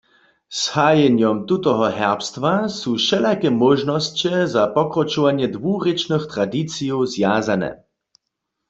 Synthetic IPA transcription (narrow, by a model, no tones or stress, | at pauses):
shaːjɛɲjɔmt̪ut̪ɔɦɔɦɛʁpst̪ʋasuːʃɛlakɛmɔʒnɔst͡ɕɛzapɔkrɔt͡ʃuvaɲjɛd̪ʋuːʁɛt͡ʃnəxt̪ʁad̪it͡sijɔwzjaːzanɛ̰